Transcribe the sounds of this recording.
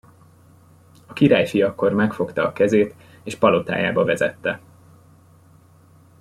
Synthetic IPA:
ɒkiɾaːjʃijɒkːo̞rmɛkfo̞kt̪ɒɒkɛzeːt̪ | eːʃpɒlo̞t̪a̰ːja̰ːbɒvɛzɛ̰t̪ːɛ

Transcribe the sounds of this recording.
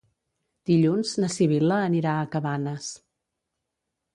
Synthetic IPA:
d̪̥iʎunznəsiβ̞iləːniɾaəkəβanəs

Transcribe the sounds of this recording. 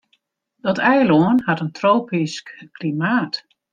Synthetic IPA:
dɔtʰɛjloənhatəntroːpiskklimaːt

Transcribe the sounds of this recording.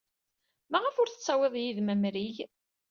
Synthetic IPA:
mæʁəfʊɾθət͡sːɑwɪðˤjiðmæmɾiʝ

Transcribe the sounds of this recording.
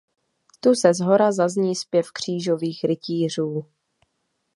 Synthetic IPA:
t̪usɛzɦo̞ɾazazɲiːspjɛfkr̝̥iːʒoviːxɾɪciːr̝uː

